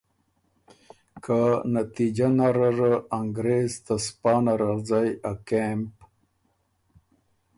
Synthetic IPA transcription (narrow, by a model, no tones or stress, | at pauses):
kʰanat̪id͡ʑanaɾəɾəaŋɡɾezt̪aspɑːnaɾazajakemp